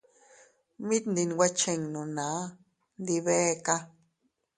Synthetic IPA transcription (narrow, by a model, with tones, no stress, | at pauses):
mĩ˦t̪nd̪i˧n˨wa˦t͡ʃe˧˨ŋnũ˨nã˨˦ | nd̪i˧βe˦ka˦